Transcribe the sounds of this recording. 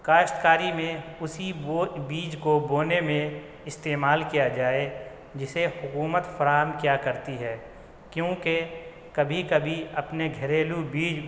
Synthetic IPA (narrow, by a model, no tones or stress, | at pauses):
kaːʃt̪kaːɾimẽʊsiobiːd͡ʒkoboːnemẽ | ɪst̪eːmaːlkijad͡ʒaːe | d͡ʒɪsehʊkuːmət̪fɐɾaːɦəmkjaːkɐɾt̪iɦɛː | kjõːke | kɐbʱikɐbʱiɐpneɡʱɐɾeːlubiːd͡ʒ